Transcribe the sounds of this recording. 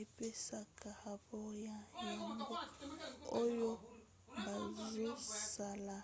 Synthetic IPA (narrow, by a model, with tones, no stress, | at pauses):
e˨pe˦sa˨ka˨ha˨bɔ˦ja˨ja˨ŋɡo˦ | o˦jo˦ | mba˨ze˦sa˨la˨